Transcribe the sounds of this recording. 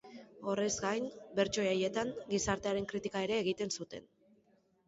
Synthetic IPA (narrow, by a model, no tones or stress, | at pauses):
o̞re̞zɡajnbe̞ɾt͡ʃo̞aje̞t̪aŋɡisaɾt̪e̞aɾe̞ŋkɾit̪ikae̞ɾe̞ːɣ̞it̪e̞nsut̪e̞̰n